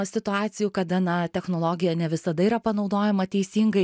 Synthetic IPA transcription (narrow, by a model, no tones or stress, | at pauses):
sʲɪt̪ʊɑːt̪sʲɪjuːkɐd̪ɐnɐt̪ʲɛxnoːlˠoːɡʲɪjɛnʲɛʋʲɪsɐd̪ɐiːɾɐpɐnɒʊd̪oːjɛmɐt̪ʲɛɪsʲiːŋɡɐɪ